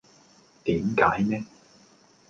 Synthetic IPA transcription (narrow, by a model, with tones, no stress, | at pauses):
t̪iː˨˥mkaː˨˥jnɛː˥